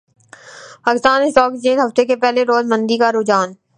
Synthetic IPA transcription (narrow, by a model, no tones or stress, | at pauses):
paːkɪst̪aːnɪsʈɔːkd͡ʒeːnɦɐft̪ekepɛːleɾoːzmə̃nd̪ikaɾud͡ʒaːn